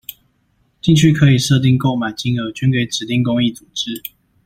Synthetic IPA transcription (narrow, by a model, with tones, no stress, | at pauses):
t͡ɕi˥˧ŋt͡ɕʰy˥˩kʰɤ˧˦˥i˨˩ʂɤ˥˧t̪̬i˥˧ŋko˥˩ʊma˨˩ɪt͡ɕi˥ŋo˧˥t͡ɕy˥nke˧˥˩ɪʈ͡ʂɻ̩˨˩t̪i˥˨ŋkʊ˥ŋi˥˩t͡su˨˩ʈ͡ʂɻ̩˥˦